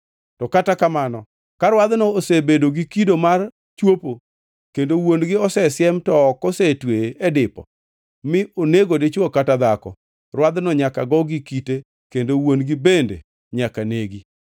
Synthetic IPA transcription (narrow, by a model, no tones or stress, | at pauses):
tɔkatakamanɔ | kaɾwad̪nɔosebedoɡikidomar | t͡ʃwopo | kendowonɡɪɔsɛsɪjɛmtɔːkɔsetweedɪpɔ̰ | mɪʔoneɡodɪt͡ʃɔkatad̪akɔ̰ | rwad̪nɔɲakaɡɔɡikite | kendowonɡɪbendḛ | ɲakaneɡi